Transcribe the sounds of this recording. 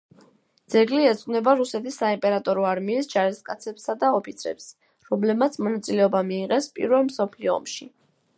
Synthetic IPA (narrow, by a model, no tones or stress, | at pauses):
d̪z̥ɛɡliɛt̪sʼqʼnɛbaɾusɛt̪ʰisːaimpʼɛɾat̪ʼɔɾɔaɾmiːsd͡ʒaɾɛst̪̚kʼat̪sʰɛpsad̪aɔpʰit̪sʰɛ̰ps | ɾɔmlɛb̚mat̪sʰmɔnat̪sʼilɛɔbamiːʁɛspʼḭɾvɛlmsɔpʰliɔ̰ːmʃi